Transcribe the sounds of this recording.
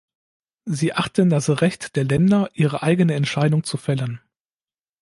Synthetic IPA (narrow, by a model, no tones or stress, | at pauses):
ziːʔaχtəndasʁɛçtd̥eːɐlɛndɐʔiːʁ̞əʔaɪɡənəɛntʃaɪdʊŋt͡sufɛlən